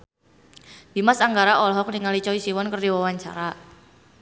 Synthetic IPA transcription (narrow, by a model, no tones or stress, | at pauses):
d̥imasaŋɡaɾaʔɔlɔɦɔk̚niŋalit͡ʃɔisiwɔnkərdiwawaɲt͡ʃa̰ɾa